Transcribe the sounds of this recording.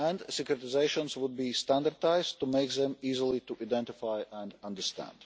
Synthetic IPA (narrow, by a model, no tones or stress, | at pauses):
æ̃ndsɪkɾɛt̪ɪzeɪʃɔ̃nswʊd̪̚biːst̪æ̃nd̪aɾt̪aɪz̥t̪ːumeɪkðɛ̃miːzəlˠit̪uʔad̪ɛ̃nt̪ɪfajʔæ̃nd̪ãnd̪əɾst̪æ̰̃nd̥̪